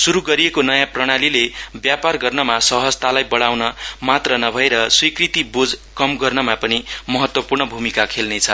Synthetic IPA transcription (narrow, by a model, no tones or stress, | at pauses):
suɾuɡʌɾijekonʌjãprʌɽ̃alilebjaparɡʌrnʌmasʌɦʌd͡zt̪alajbʌɽawnʌmat̪rʌnʌbʱʌeɾʌswikrit̪ibod͡zkʌmɡʌrnʌmapʌnimʌɦʌt̪wʌpurɳʌbʱumikakʰelnet͡sʰʌ